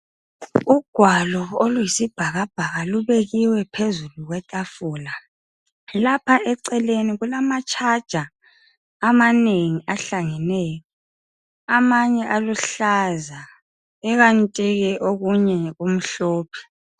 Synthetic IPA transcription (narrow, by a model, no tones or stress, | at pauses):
uɡ̥ʱwalɔolujisib̥ʱaɣab̥ʱaɣaluβeɣiwɛpʰezuluɣwɛtʼafuːla | lapʰaʔɛǀɛleniɣulamat͡ʃʰʼad̥ʒ̥ʱaː | maneŋiʔaɬaŋɛnɛːjɔ | amaɲɛʔaluɬaza | ɛɣantʼiɣɛʔoɣuɲɛɣum̩ɬoːpʰɛ̥